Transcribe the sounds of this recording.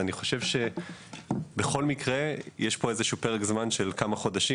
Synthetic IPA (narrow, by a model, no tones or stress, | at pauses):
aniχo̞ʃe̞vʃe̞ | be̞χo̞lmikʁe̞jeʃpo̞ezeʃupeʁekzmanʃe̞lkamaχo̞d̪aʃi